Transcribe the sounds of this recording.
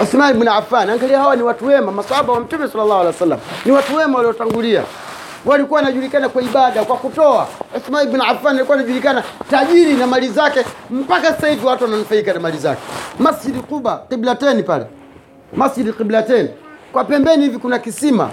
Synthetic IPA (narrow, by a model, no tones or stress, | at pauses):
usmailbunafanaŋɡaliahawaniwatuwɛmamasahaɓawam̩tumɛsalːalˠːahwalɛsalːa̰m̩niwatuwɛmawaliɔtaŋɡulia̰ | walikuwanaʄulikanakwaiɓaɗakwakutɔa̰usmailbunafanalikuwanaʄulikanataʄiɾinamalizakɛm̩pakasḁsaiviwatuwananufaikanamaliza̰kɛ̥masd͡ʒidiqubaqiblatɛnipalɛ̰ | masd͡ʒidiqiblatɛni | kwapɛmbɛnihivikunakisima̰